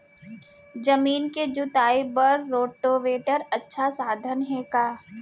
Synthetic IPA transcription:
d͡ʒɐmiːnked͡ʒʊt̪aːibɐɾːoːʈoʋeːʈəɾɐtːʃʰasaːd̪ʱənɦɛkaː

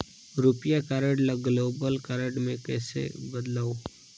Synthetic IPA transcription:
ɾupijakaːɾəɖlaɡloːbəlkaːɾəɖmẽkɛːsḛbəd̪laːoː

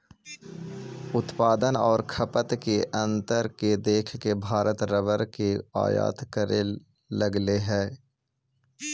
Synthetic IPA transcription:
ʊt̪paːd̪ənɔːɾkʰɐpət̪keʔɐ̃nt̪əɾked̪eːkʰkebʱaːɾət̪ɾəʋəɾkea̰ːja̰ːt̪kəɾe | ləɡleɦɛː

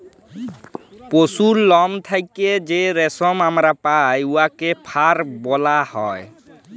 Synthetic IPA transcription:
posuɾlɔmt̪ʰajked͡ʒeɾɛsɔmamɾapajuakepʰaɾbɔlahɔj

